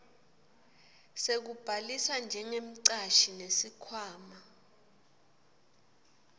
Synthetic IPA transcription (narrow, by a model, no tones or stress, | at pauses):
sek̬ub̥ʱalisand͡ʒʱɛŋem̩ǀaʃinesikʰwaːma